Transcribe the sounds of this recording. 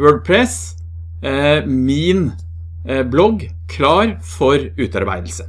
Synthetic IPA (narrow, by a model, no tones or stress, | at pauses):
øːɡ̚pʰɾɛs | min | blɔɡ | kʰlɑːɾfɔɾʉːt̪ɑ̰ɾbæ̰ɪd̪l̩sə